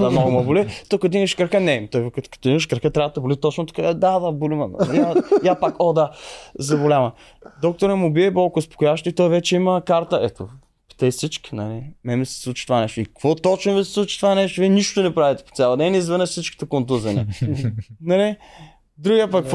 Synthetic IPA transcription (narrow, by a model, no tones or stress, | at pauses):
ɐmnɔɡʊmɐbʊlit̪okɐt̪ʊiməʃkɾɐxənɛt̪ɔjk̪kɐ̥t̪oiməʃkɾɐxət̪ɾavət̪ɐbʊlit̪ɔt͡ʃnot̪o̥kad̪ad̪abulimɐn̰jjapakod̪azɐbolʲavɐ | d̪ɔk̚t̪oɾɛmʊbiɛbolˠkʊspokʊjavəʃt̪oit̪ɔjvɛt͡ʃɛiməkaɾt̪əʔɛt̪o̰ | pi̥t̪ɛsit͡ʃki̥nɐlɛmɛmsɛ̥slˠut͡ʃi̥t̪ovanɛʃt̪ʊikkvɔt̪ɔt͡ʃnovisɛ̥sˠut͡ʃi̥t̪ovanɛʃt̪ʊviɛniʃt̪onɛpɾavit̪ɛ̥po̥sʲjalˠəd̪ɛnizvɛnəʃsit͡ʃki̥t̪ɛkont̪uzɐnɛ̰ | nɐlɛ | d̪ɾuɡʲiəpək